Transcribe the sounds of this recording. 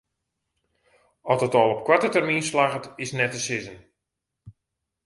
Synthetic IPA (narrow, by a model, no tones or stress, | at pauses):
ɔtətɔːlˠɔp̚kwatətɛrminslaɣətɪsnɛtəsɪzən